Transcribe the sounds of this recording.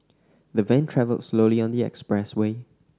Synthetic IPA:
ðəvẽntʰɹɛvə̰lsloʊliɔ̃ndiɛ̰kspɹɛsweː

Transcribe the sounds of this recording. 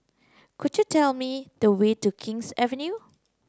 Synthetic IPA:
kʰʊdjutʰɛlmid̥əwetukʰɪ̃ŋsɛvə̃nju

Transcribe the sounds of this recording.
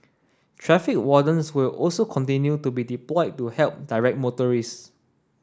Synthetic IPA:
tʰɹɛfɪk̚wɔdə̃nswilɔlsokʰɔ̃ntĩnjutubidiplɔɪtːuhɛlp̚daɪɹɛk̚motəɹis

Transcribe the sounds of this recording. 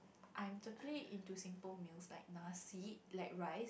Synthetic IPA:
ʔãj̃mtɔkəliʔĩntusĩmpəlmilsla̰ɪk̚nasilaɪk̚ɹaɪs

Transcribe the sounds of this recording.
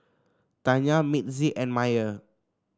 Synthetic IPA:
t̪aɲamit̪̚ziʔɛ̃nmajə

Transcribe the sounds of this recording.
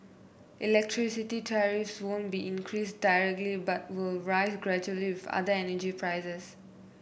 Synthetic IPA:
ʔilɛk̚tʰɹisititʰɛɹifswõnbiʔĩnkʰɹisdajɹɛk̚tlibat̚wɪlɹaɪzɡɹɛd͡ʒuəliwɪfa̰dəɛnəd͡ʒipɹaɪsɛs

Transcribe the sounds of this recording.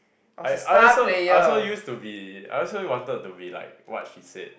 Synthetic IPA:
ajaɔsoejaɔsɔjustubia̰ɪɔsəliwɔ̃ntəd̚tubila̰ɪk̚wɔ̰t̚ʃisɛ̰d̥̚

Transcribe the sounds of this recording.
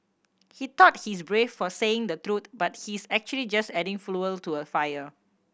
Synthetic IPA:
hit̪ɔt̚his̬bɹefːɔseɪ̃ŋd̪ət̪ɹut̪̚bat̚hisɛk̚t͡ʃuəlid͡ʒastɛdɪ̃ŋfluəltuəfajə

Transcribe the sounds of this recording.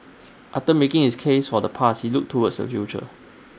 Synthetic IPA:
ʔaftəmekɪ̃ŋhiskʰesfɔdəpʰashiluk̚tʰːuwədsdə̰fjut͡ʃə̰

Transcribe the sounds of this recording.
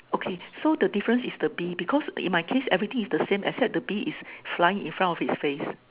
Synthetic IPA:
okʰesodədifəɹə̃nsisdəbibikʰɔsḭ̃nmaɪkʰesɛvɹit̪ɪ̃ŋisdəsẽmʔɛsɛt̚dəbiʔisflaɪɪ̃ŋḭ̃nfɹãntɔfitsfes

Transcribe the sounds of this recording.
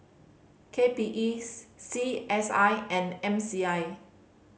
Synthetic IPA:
kʰepiʔisːiʔɛsajɛ̃nɛ̃msiaj

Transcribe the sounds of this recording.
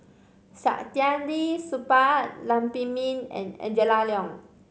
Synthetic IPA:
sa̰ʔt̪iandisupat̚lampimĩnɛ̰̃nɛ̰nd͡ʒəlaliɔ̃ŋ

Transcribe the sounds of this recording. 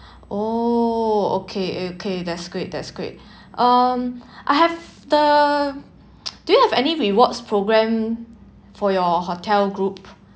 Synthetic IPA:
ʔo | o̰kʰeokʰedɛtsɡ̥ɹet̚dɛ̰tsɡ̥ɹḛt̚ | ʔʌmʔaɪɦɛv | də | d̥ujuhɛvɛniɹiwɔtspʰɹoɡɹɛ̃m | fɔjɔɦotʰɛlɡɹup̚

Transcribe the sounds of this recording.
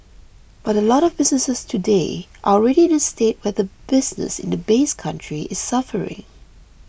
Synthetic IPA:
b̥aɾəlɔɾɔvbɪsnəsəstʰudeʔalɹɛɾiɪ̃nəstet̚wɛðəbɪsnə̰sɪ̰̃ndəbeskʰãntʰɹ̥iʔɪssafəɹɪ̰̃ŋ

